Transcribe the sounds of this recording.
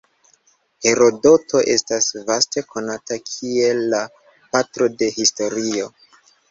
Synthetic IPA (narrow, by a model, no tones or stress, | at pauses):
he̞ɾo̞do̞tʰo̞ʔe̞̰stasvaste̞kʰo̞natakʰie̞lːa | patɾo̞de̞histo̞ɾio̞